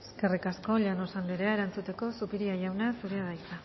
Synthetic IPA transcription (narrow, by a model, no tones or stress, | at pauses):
eske̞rikasko̞ʎano̞sand̪eɾeaeɾant͡sut̪e̞ko̞supiɾiaʝawnasuɾeaðajt̪a